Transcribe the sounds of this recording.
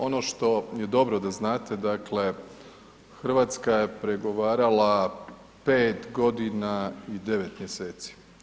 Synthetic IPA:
o̞no̞ʃt̪o̞je̞d̪o̞bɾo̞d̪aznaːt̪e̞d̪akle̞ | xr̩ʋaːt̪skaje̞pɾe̞ɡo̞ʋaːɾala | peːt̪ɡo̞d̪inaid̪e̞ʋe̞t̪mjeseːt̪si̥

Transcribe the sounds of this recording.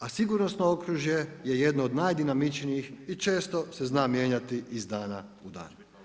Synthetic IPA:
asiɡuɾnosnookɾuʒje̞je̞je̞d̪noːd̪najd̪inamit͡ʃniixit͡ʃe̞ːst̪o̞se̞znaːmje̞ːɲat̪iʔizd̪aːnaud̪a̰ːn

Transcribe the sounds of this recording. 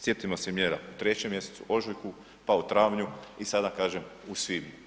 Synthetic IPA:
sje̞t̪imosemjeːɾaut̪ɾe̞t͡ɕemːje̞set̪uʔo̞ʒujku | paut̪ɾaːʋɲuisad̪akaːʒemusʋim

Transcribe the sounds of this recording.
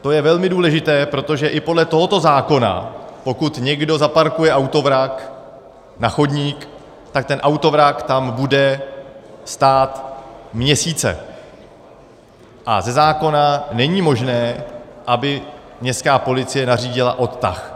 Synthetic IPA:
t̪o̞jɛvɛlmɪduːlɛʒɪt̪ɛːpɾo̞t̪o̞ʒɛʔɪpo̞dlɛt̪o̞ɦo̞t̪o̞zaːko̞na̰po̞kut̪ɲɛɡdo̞zapaɾkujɛʔawt̪o̞vɾak | naxo̞dɲiːk | t̪ak̚t̪ɛnʔawt̪o̞vɾakt̪ambudɛ | st̪aːt̪mɲɛsiːt͡sɛ̰ | ʔa̰zɛzaːko̞nanɛɲiːmo̞ʒnɛːʔabɪ | ɲɛskaːpo̞lɪt͡sɪjɛnariːɟɪla̰ʔo̞t̪t̪a̰x

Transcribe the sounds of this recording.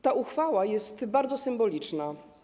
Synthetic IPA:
t̪aʔuxfawajɛst̪baɾd̪zɔsɘmbɔlʲit͡ʂna

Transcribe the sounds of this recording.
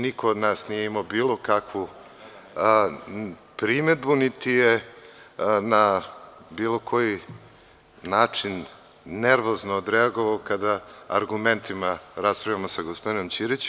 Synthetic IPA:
nikood̪naːsnijeimaobiːlo̞kakʋu | pɾime̞d̪̚bunit̪ije | na | biːlˠo̞kʰo̞ji | naːt͡ʂinː | eɾʋo̞znoːd̪ɾeaɡo̞ʋaokad̪a̰ːɾɡument̪imaɾaspɾavʎʲamo̞saɡospod̪ino̞mt͡ɕiɾit͡ɕ

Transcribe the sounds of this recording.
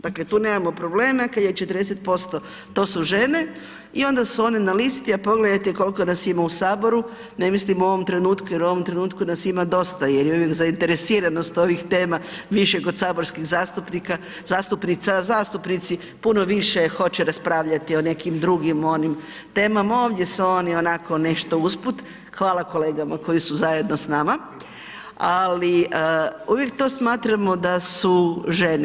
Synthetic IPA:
d̪̥akle̞t̪uːnemamo̞pɾo̞bleːmakad̪jet͡ʃe̞t̪ɾd̪eset̪̚po̞st̪o | t̪o̞ːsuʒe̞ne̞ | io̞nd̪asuo̞ninalist̪iapo̞ɡle̞d̪ajt̪ɛko̞lko̞nasimausaːbo̞ɾu | ne̞mislimuo̞ʋo̞mt̪ɾe̞nuːt̪kujeɾuo̞ʋo̞mt̪ɾe̞nuːt̪kunasimad̪o̞st̪ajeɾjeuʋjekzaint̪e̞ɾesiːɾano̞st̪o̞ʋixt̪e̞ːmaʋiʃekod̪saːbo̞ɾskiɣzaːst̪upnika | zaːst̪upnit̪sazaːst̪upnit̪si | puno̞ʋiʃexo̞t͡ɕɛɾaspɾaːʋʎat̪io̞ne̞kimd̪ɾuɡimo̞nim | t̪e̞ːmamaoːʋd̪jesuoːnio̞nako̞ne̞ʃt̪o̞usput̪ | xʋaːlˠako̞le̞ːɡamako̞jisuzaje̞d̪no̞snama | ali | uʋjek̚t̪o̞ːsmaːt̪ɾamo̞d̪asuʒen

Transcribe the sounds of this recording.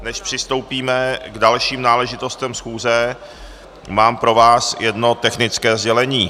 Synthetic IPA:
nɛʃpr̥ɪst̪o̞wpiːmɛɡdalʃiːmnaːlɛʒɪt̪o̞st̪ɛmsxuːzɛ | maːmpɾo̞vaːsjɛdno̞t̪ɛxnɪt͡skɛːzɟɛlɛɲiː

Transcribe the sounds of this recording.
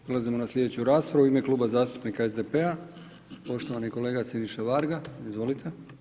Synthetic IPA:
pɾelˠazimonaslʲʎʲje̞d̪e̞t͡ɕuɾaːspɾaʋuime̞klˠuːbazaːst̪upnikaezd̪e̞pe̞a | po̞ʃt̪o̞ʋaniko̞le̞ːɡasiniʃaʋaɾɡaizʋo̞lit̪ʰe̞

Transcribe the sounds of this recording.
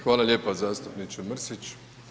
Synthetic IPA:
xʋaːlalʲjeːpazaːst̪upnit͡ʃoməɾsit͡ʃ

